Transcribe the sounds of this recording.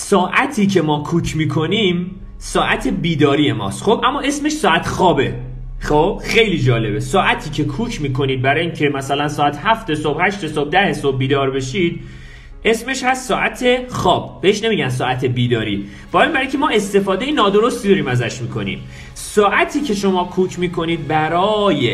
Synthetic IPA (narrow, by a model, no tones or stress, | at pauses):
sɒːʔæt̪ʰiːcʰe̞mɒːkʰuːcʰmiːkʰo̞niːm | sɒːʔæt̪ʰe̞biːd̪ɒːɾije̞mɒ̰ːst̪xobʔæmːɒːe̞sme̞ʃsɒːæt̪ʰxɒːbe̞ | xob̥xejliːd͡ʒɒːle̞besɒːʔæt̪ʰiːcʰe̞kʰuːcʰmiːkʰo̞niːd̪̚bæɾɒːjiːŋcʰe̞mæsælænsɒːæt̪ʰhæft̪e̞sob̥hæʃt̪esob̚d̪æhe̞sob̚biːd̪ɒːɾbe̞ʃiːd̪̚ | ʔe̞sme̞ʃhæst̪sɒːʔæt̪ʰe̞xɒːb̚ːe̞heʃne̞miːɟæns̬ɒːæt̪ʰebiːd̪ɒːɾiː | b̥ɒːimbæɾiŋcʰe̞mɒːe̞st̪e̞fɒːd̪e̞jenɒːd̪o̞ɾo̞st̪ʰid̪ɒɾiːmæzæʃmiːkʰo̞̰nḭːm | sɒːʔæt̪ʰiːcʰe̞ʃo̞mɒːkʰuːcʰmiːkʰo̞niːd̪̚bæɾɒːje